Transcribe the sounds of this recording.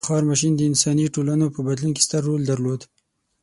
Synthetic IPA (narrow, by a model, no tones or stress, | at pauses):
xɑɾmaʃ̬ind̪əɪnsɑniʈolanopəbad̪lunke̥st̪əɾːold̪aɾlod̪